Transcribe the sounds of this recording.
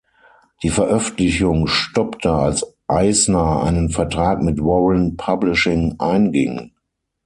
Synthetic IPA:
d̥iːfɛɐʔœfn̩tlɪçʊŋʃtɔptʰəalsʔaɪsnaa̰ɪnənfɛɐtʁ̥aːkmɪtwɔʁənpʰablɪʃɪŋʔaɪnɡɪ̰ŋ

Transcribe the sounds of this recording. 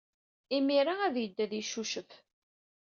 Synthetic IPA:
imiɾaæðjəd̪ːæðjiʃuʃəf

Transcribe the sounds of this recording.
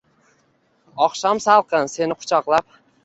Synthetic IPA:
ɒχʃɒmsalˠqʰɨnse̞nɪqʰʊ̥t͡ʃʰɒqlˠap̚

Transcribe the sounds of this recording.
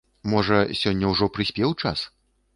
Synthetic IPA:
mɔʐɐsʲɔnʲːɐwʐɔpɾɨsʲpʲɛwt͡ʂa̰s

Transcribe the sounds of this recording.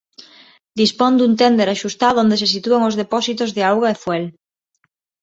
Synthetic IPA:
d̪ispond̪unt̪end̪eɾaʃust̪aðond̪es̬es̬it̪uaŋozðepɔsit̪ozðeawɣaefwel

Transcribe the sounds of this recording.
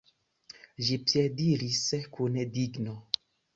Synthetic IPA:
ʒipjediɾiskunediɡno

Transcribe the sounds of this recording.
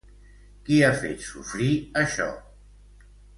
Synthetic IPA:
kiafḛt̪sufɾiəʃɔ̰

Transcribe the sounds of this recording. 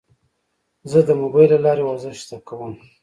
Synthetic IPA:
zəd̪əmobɑjlalɑɾewaɾzɪʃt̪akawəm

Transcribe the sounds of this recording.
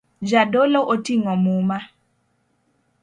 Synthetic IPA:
d͡ʒadoloʔotiŋɔmuma

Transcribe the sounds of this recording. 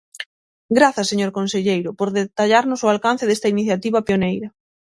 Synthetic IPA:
ɡɾaθɐseɲoɾkonseʎejɾʊpoɾðet̪aʎaɾnʊsʊalkan̟θeðest̪ɐiniθjat̪iβɐpeonejɾɐ

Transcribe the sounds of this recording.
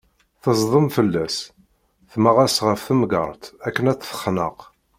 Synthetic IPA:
θəzˤðˤəmfəlːæs | θməʁasʁəfθəmɡə̰ɾˤt̪ækːənæt͡sːθə̥χnə̰q

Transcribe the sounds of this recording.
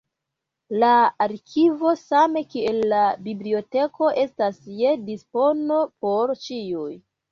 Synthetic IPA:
laːɾkʰivo̞same̞kie̞lːabiblio̞te̞ko̞ʔe̞stasjedispo̞no̞po̞ɾt͡ʃiuj

